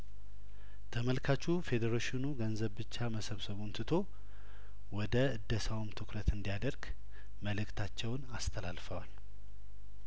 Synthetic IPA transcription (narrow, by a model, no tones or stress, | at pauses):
t̪ʰəməlkʰat͡ʃːufe̞d̪əɾoʃɪnuɡənzəβbɨt͡ʃːaməsəβsəβunt̪ʰɨt̪ʰo̞ | wɔd̪əɨd̪ːəsawmt̪ʰɨkɾət̪ɨnd̪ijad̪əɾɡ | məlɨkt̪ʰat͡ʃːɛwnast̪ʰəla̰lfəwal